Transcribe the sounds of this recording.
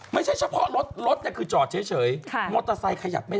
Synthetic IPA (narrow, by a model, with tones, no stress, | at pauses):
ma˥˩jt͡ɕʰa˥˩jt͡ɕʰa˧˩pʰɔ˦˥ɾo˦˥t̪̚ɾo˦˥t̪̚ɲa˨˩kʰɯː˧˩t͡ɕɔː˨˩t̪̚t͡ɕʰɯ˩˦jt͡ɕʰɤː˩˦jʰmo˧˩t̪ːɾa˧sa˧jkʰa˧ja̰˨˩p̚ma˥˩